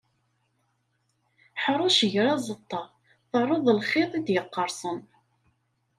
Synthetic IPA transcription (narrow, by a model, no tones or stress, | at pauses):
ħəɾˤʊʃəʝɾæzˤət̪ˤːɑ | θərˤoðˤlχeðˤid̪jəqːəɾˤsˤən